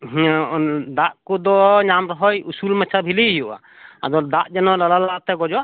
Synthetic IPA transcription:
ɦ | d̪aʔkɔd̪ɔɲamɾɔɦɔjusulmɛt͡ʃʰabʱiliɦiɔʔa̰ | a̰d̪ɔd̪aʔd͡ʒɛnɔlalalat̪ɛɡɔd͡ʒɔʔ

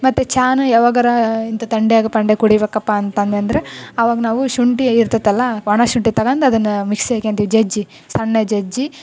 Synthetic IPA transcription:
mɐt̪ːut͡ʃaːnuɛʋɐɡɐɾɐint̪ɐt̪ɐɳɖejaːɡɐpɐɳɖekuɽibeːkːɐpːaːnt̪ɐnd̪eɐnd̪ɐɾeɐʋaːɡɐnaːʋuʃuɳʈiiɾt̪ɐt̪ːɐlːɐɔɳɐʃuɳʈit̪ɐɡɐnd̪ɐd̪ɐnːɐmiksekeːnt̪iʋid͡ʒɐd͡ʒi | sɐɳːɐd͡ʒed͡ʒi

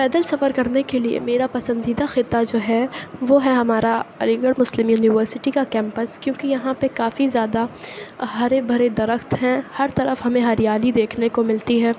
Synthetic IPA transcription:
pɛːd̪əlsɐfəɾkɐɾnekeliḛmeːɾapɐsə̃nd̪iːd̪axɪt̪ːad͡ʒoːɦɛʋoːɦɛɦɐmaːɾaɐ̰lɪɡəɽmʊslɪmjuːnɪʋəɾsɪʈikakɛ̃ːmpəskjõːkijɐɦãpekaːfizjaːd̪aɦɐɾebʱɐɾed̪ɐɾəxt̪ɦɛ̃hɐɾt̪ɐɾəfɦɐmẽɦɐɾijaːlid̪eːkʰnekomɪlt̪iɦɛː

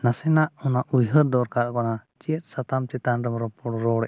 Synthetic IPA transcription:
nasɛnaʔɔnaʔujɦəɾd̪ɔɾkaɾakɔnat͡ʃiət̪̚ˀsat̪amt͡ʃɛt̪anɾɔmɾɔpɔɽɔɾɔɽɛʔ

